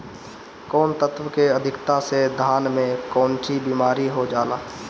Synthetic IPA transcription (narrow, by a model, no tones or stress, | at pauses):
kɔːnt̪ət̪ʰwəkeəd̪ʱɪkt̪ased̪ʱaːnmẽkɔːnʈʰibiːmaːɾiɦod͡ʒaːlaː